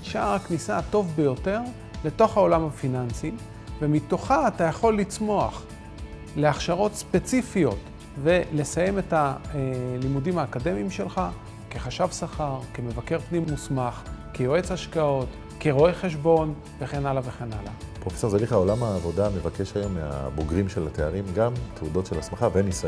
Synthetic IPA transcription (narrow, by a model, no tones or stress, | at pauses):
ʃaʁaknisato̞vbe̞jo̞te̞ʁ | le̞to̞χao̞lamhafinansi | vemito̞χaːtajaχo̞lːit͡smo̞aχ | le̞aχʃaʁo̞tspe̞t͡sifijo̞t | ve̞le̞saje̞me̞ta | limudimaːkade̞miimʃe̞lχa | keχaʃavsaχaʁkeme̞vake̞ʁpnimːusmaχkejoe̞t͡saʃkao̞t | keʁoe̞χe̞ʃ̬bo̞n | ve̞χe̞nalave̞χe̞nalapʁofeso̞ʁzeliχaolamaːvo̞dame̞vake̞ʃajo̞mːea̰boɡʁimʃelateaʁimɡamt̪ʰeudo̞tʃelasmaχavenis